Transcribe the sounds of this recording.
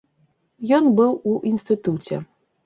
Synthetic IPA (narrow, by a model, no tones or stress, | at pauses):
jɔnbɨwuʔinst̪ɨt̪ut͡sʲɛ̰